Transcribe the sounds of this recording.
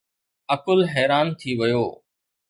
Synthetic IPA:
əkʊlɦɛːɾaːnt̪ʰiːʋəjoː

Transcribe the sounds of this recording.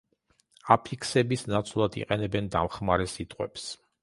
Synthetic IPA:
apʰikʰsɛbisnat̪sʼlˠad̪ḭqʼɛnɛbɛnd̪a̰mχmaɾɛsit̪ʼqʼwɛ̰ps

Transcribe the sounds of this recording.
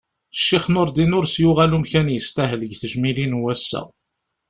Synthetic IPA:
ʃːiχnoɾd̪inʊɾsjuʁælumkçænjəst̪æɦələɡθəʒmilinwæsːæ̰

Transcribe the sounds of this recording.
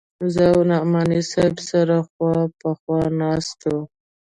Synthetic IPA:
zawnɑmɑnisabsaɾaxwɑpəxwɑnɑst̪o

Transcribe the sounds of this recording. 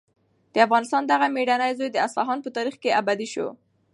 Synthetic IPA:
d̪̥əafɣɑnɪst̪ɑnd̪aɣameɖanajzojd̪əaslɑɦɑnpət̪ɑɾixkeabad̪iʃo̰

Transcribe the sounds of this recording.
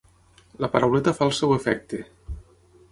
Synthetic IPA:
lapaɾawlet̪afalˠsɛwefɛk̚t̪e

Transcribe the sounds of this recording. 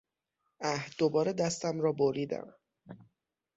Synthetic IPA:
æhd̪̥obɒːɾed̪æst̪æmɾɒːboɾiːd̪æ̰m

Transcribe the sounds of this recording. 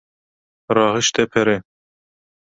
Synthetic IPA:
ɾɑːɦɨʃt̪ɛpʰɛɾe

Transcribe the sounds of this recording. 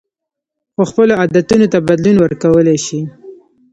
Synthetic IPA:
xoxpəload̪at̪unot̪abad̪lunwəɾkawəleʃi

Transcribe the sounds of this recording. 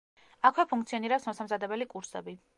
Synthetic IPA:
akʰwɛpʰuŋkt̪sʰiɔniɾɛpsmɔsamzad̪ɛbɛlikʼuɾsɛ̰bi

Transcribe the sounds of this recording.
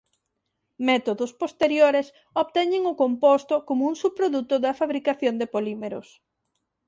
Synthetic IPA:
mɛt̪oðʊspost̪eɾjoɾes | oβt̪ɛɲɪŋʊkompost̪ʊkomʊuŋsupɾoðut̪ʊðɐfaβɾikaθjond̪epolimeɾʊ̰s

